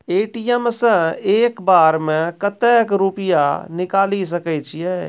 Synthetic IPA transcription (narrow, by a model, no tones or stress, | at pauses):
eːʈijəmsə̃eːkbaːɾmẽkət̪ɛːkɾupɪja̰nɪkaːlis̬əkət͡ʃʰijɛː